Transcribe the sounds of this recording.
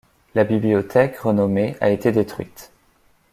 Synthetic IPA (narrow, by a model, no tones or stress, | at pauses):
labibliɔt̪ʰɛkʁənɔmeʔa̰et̪ed̪et̪χɥit̪